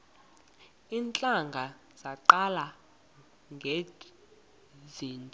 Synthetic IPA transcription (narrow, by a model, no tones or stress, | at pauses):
iːnt͡ɬʼaŋɡʱa | z̥aǃala | ŋɡʱe | ziːntʼɔ